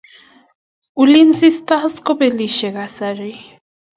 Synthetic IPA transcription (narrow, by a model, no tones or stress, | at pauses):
ulinsist̪askopeliʃeɣasaɾi